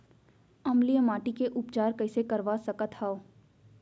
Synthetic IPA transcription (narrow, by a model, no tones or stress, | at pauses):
ɐmlijəmaːʈikeʔʊpt͡ʃaːɾkɐɪsekɐɾʋasɐkət̪haːo